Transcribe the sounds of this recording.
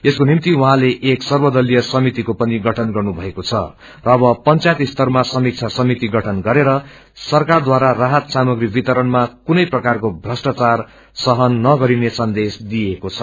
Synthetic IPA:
eskonimt̪iwuɦãleʔeksʌrbʌd̪ʌlijʌsʌmit̪ikopʌniɡʌʈʰʌnɡʌrnubʱʌekot͡sʰʌ̰ | rʌːbʌpʌnt͡sajt̪ist̪ʌrmasʌmik̚t͡sʰasʌmit̪iɡʌʈʰʌnɡʌɾeɾʌ | sʌrkard̪waɾaraɦʌt̪samʌɡribit̪ʌɾʌnmakunʌjprʌkarkobʱrʌsʈat͡sar | sʌɦʌnːʌɡʌɾinesʌnd̪esd̪iekot͡sʰʌ

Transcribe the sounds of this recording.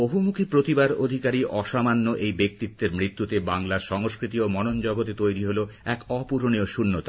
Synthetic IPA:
oɦumukʰipɾot̪ibaɾod̪ʱikaɾiʔɔʃamanːoʔejbek̚t̪it̪ːeɾmɾit̪ːut̪ebaŋlaɾʃɔŋoskɾit̪iomɔnond͡ʑɔɡot̪et̪ojɾiɦoloɛkɔpuɾonioʃunːot̪a

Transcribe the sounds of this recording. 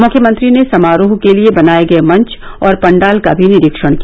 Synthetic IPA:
mʊkʰjəmə̃nt̪ɾinesɐmaːɾoːɦkeliebɐnaːjeɡɐemɐ̃ɲt͡ʃ | ɔːɾpɐ̃ɳɖaːlkabʱinɪɾɪkʃəɽ̃kia

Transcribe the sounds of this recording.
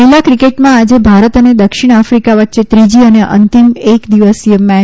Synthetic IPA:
ɪlakɾikeʈmãad͡ʒebʱaɾət̪əned̪əkʃiɽ̃afɾikaʋət̪ːʃet̪ɾid͡ʒiəneʔə̰nt̪imekd̪iʋəsiəmːɛ

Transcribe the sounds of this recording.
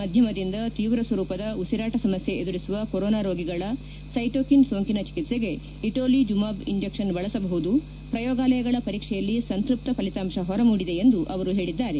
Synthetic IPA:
mɐd̪ʱjɐmɐd̪ind̪ɐt̪iːʋɾɐsʋɐɾuːpɐd̪ɐusiɾaːʈɐsɐmɐsje̞ed̪uɾisuʋɐkoɾoːnaːɾoːɡiɡɐɭɐ | sɐjʈoːkinsoːŋkinɐt͡ʃi̥kit̪se̞ɡe̞ | iʈoːlid͡ʒumaːbiɲd͡ʒekʂɐnbɐɭɐsɐbɐɦud̪u | pɾɐjɔːɡaːlɐjɐɡɐɭɐpɐɾiːkʂɛjɐlːisɐnt̪ɾup̚t̪ɐpɐlit̪aːmʂɐɦɔɾɐmuːɽid̪e̞end̪uʔɐʋɐɾuɦe̞ːɭid̪ːaːɾe

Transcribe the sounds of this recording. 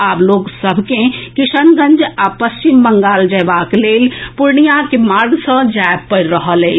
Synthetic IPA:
aːploːɡsɐbʱkẽkɪʃənɡə̃nd͡ʒapəst͡ʃimːə̃ŋɡaːld͡ʒɐjʋaːkleːlpʊɾɳijakemaːɾɡsə̃d͡ʒaːjb̚pəɾɾəɦəleː

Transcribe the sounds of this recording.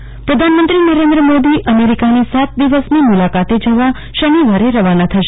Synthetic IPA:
pɾəd̪ʱanmənt̪ɾinəɾẽnd̪ɾəmod̪iʔəmeɾikanisat̪̚d̪iʋəsnimulakat̪ed͡ʒəʋa | ʃəniʋaɾeɾəʋanat̪ʰəʃe

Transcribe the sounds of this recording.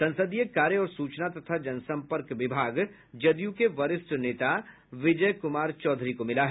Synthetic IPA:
sɐ̃nsəd̪ijekaːɾjəɔːɾsuːt͡ʃnat̪ɐt̪ʰad͡ʒɐnsɐ̃mpəɾkʋɪbʱaːɡ | d͡ʒɐd̪jũkeʋɐɾɪsʈneːt̪a | ʋɪd͡ʒəjkʊmaːɾt͡ʃɔːd̪ʱɾikomɪlaɦɛ

